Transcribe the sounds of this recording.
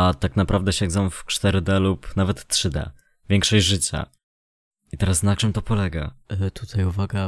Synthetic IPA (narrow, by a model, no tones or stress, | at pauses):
at̪aknapɾavd̪ɛɕɛɡ̪zɔ̃w̃ft͡ʂt̪ɛɾɘd̪ɛlupnavɛt̪tːʂɘd̪ɛ̰ | vʲɛŋkʂɔʑʐɘt͡ɕa̰ | it̪ɛɾasnat͡ʂɘmt̪ɔpɔlɛɡa̰t̪ʰut̪ʰajuvaɡa